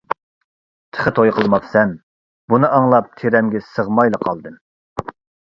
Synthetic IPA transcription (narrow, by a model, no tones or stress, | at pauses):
t̪ʰə̥χət̪ʰojqʰəlˠmɑχsɛm | bunɨʔɑŋlˠɑp̚t̪ʰeɾɛmɡʲɛsəʁmɑjlˠəqʰɑlˠd̪ɨm